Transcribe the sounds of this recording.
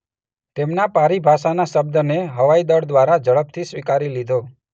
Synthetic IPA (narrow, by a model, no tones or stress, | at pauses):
t̪emnapaɾibʱaʃanaʃəbd̪əneɦəʋaid̪əɽd̪ʋaɾad͡ʒəɭəp̚t̪ʰisʋikaɾilid̪ʱo